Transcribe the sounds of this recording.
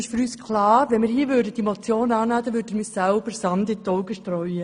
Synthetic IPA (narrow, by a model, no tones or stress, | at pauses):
ɪʃfyɾyːskʰlɑːɾʋɛnmɪːɾhiːʋʏːɾdəd̥imot͡sjoːnɑːnæːd̪ɑʋʏːɾdɪɾmisælb̥əɾsɑndɪt̪ɔwɡəʃtɾœʏə